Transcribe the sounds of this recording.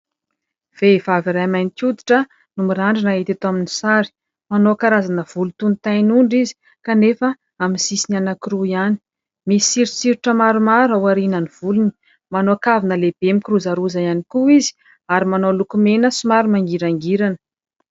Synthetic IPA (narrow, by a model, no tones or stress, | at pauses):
v̥evaviɾajmajnik̪ʲud̪i̥ʈ͡ʂə | numiɾaɳɖ͡ʐinaɦet̪at̪oaminisaɾi̥ | manokaɾazanəv̥ulut̪unit̪ajnuɳɖ͡ʐizi̥ | kanefə | amisisinanakiɾuiani̥ | misi̥siɾisiɾiʈ͡ʂəmaɾumaɾawaɾinəniv̥uluni̥ | manoakavinəleb̥emikiɾuzaɾuzajanikuizi̥ | aɾimanolukumenəsimaɾumaŋɡiɾaŋɡiɾanə̥